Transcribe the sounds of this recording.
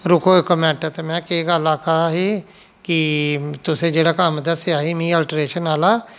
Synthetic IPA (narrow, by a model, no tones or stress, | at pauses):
ɾʊkʰoːɪkəmɛ̃ːɳʈɛːt̪emɛ̃ːkeːɡəlaːkʰaɦaɦiː | kɪt̪ʊsẽːd͡ʒeːɽaːkəmd̪əsaːɦiːmĩːəːlʈɾeːʃənaːlaː